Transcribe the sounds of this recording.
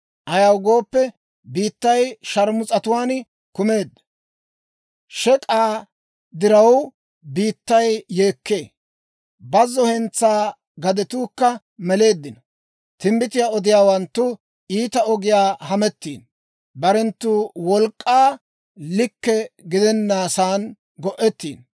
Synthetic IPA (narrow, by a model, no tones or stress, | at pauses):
ʔɐjɐwɡo̞ːpːɛ | biːt̪ːɐjʃɐɾmʊt͡sʼɐt̪ʊwaːn | kʊme̞ːd̪ːɐ̥ | ʃɛkʼaː | d̪ɪɾɐw | biːt̪ːɐjːeːkːe̞ː | bɐzːɔhɛnt͡sːaː | ɡɐd̪ɛt̪uːkːɐ | mɛle̞ːd̪ːɪnɔ | t̪ɪmbɪt̪ɪjaːɔd̪ɪjaːwɐnt̪ːʊ | iːt̪ɐɔɡɪjaːhɐmɛt̪ːiːn | bɐɾɛnt̪ːuːwɔlkʼːaː | lɪkːɛɡɪd̪ɛnːaːsaːn | ɡɔʔɛt̪ːḭːn